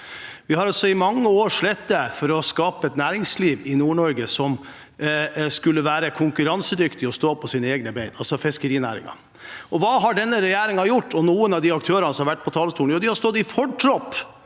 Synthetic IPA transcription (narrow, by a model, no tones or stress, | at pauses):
ʋɪhɑɾɑlsɔɪmɑŋːəoːɾʂɭɛt̪̚d̪əfɔɾɔskɑːpəɛt̪næːɾɪŋsliːʋɪnuːɳɔɾɡəsɔm | skʉlːəʋæːɾəkʰʊŋkʉɾɑnsəd̪ʏkt̪ɪɔst̪oːpʰɔsiːnəeːɡnəbeɪnɑlsɔfɪskəɾiːnæ̰ːɾɪ̰ŋɑ̰ | ʔɔʋɑːɦɑɖɛnːəɾɛjæːɾɪŋɑjʊʈːɔnuːənɑʋd̪ɪɑk̚t̪ʰøːɾənəsɔmɑɾʋæʈ̚ːpʰɔt̪ʰɑːləst̪uːnjʊːd̪ɪhɑɾst̪ɔt̪ːɪfɔʈʰɾɔpː